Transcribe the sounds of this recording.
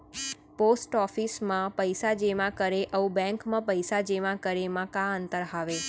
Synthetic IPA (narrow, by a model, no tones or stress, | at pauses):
posʈɔfismãpəjsad͡ʒeʋãkəɾeʔəũbɛ̃ŋkmãpəjsad͡ʒeʋãkəɾemãkãənt̪əɾɦaʋe